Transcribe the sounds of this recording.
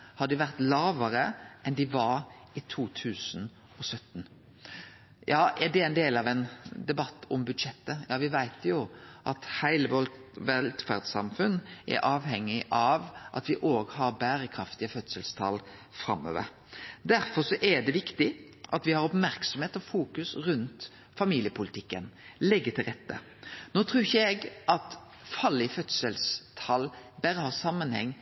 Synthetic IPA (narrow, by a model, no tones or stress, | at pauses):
hɑd̪ɪʋæʁt̪lɑːʋəɾəɛnd̪ɪʋɑɾ | ɪt̪ʰuːt̪ʰʉːsn | ɔsœt̪ːn̩ | jɑːɛd̪ɛæɪnd̪eːlɑʋɛnd̪ɛbɑt̪ːɔ̰mbʉd̪ʂɛt̪ːəjɑːʋɪʋæɪt̪jʊʔɑt̪hæɪləʋɔʋɛlt̪fæ̰ʁd̪sɑ̰mfʉnːʔɛ̰ɾʔɑːʋhɛŋːɪʔɑʋʔɑ̰t̪ʋɪʔoːɡhɑɾbæːɾəkʰɾɑft̪ɪəfœt̪səlst̪ʰɑ̰lfɾɑ̰mːø̰ːʋə̰ɾ | d̪æɾfɔsɔʔɛd̪ɛʋɪkt̪ɪ | ʔɑt̪ʋɪhɑɾɔpmæɾksɔmheːt̪ɔfuːkʉsʁʉnt̪ | fɑmiːlɪəpʰʊlɪt̪ʰɪkːənlɛɡːət̪ʰɪlʁɛt̪ːə̰ | noːt̪ʰʁʉːçəɛɡʔɑt̪ | fɑlɪfœt̪səlst̪ʰɑlbæɾəhɑsɑmːənhɛ̰ŋː